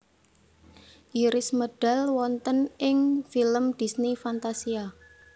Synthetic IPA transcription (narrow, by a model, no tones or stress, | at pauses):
ʔiɾɪsməɖ̥a̤lwɔnt̪ənʔɪŋfiləmd̪̥i̤snifant̪asia